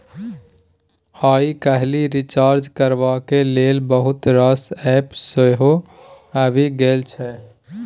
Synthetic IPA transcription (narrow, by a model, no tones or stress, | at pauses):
aikəɦliɾit͡ʃaːɾd͡ʒkəɾbakelelbəɦut̪ɾəsɛpsəɦo | əbʱiɡelt͡ʃʰɛ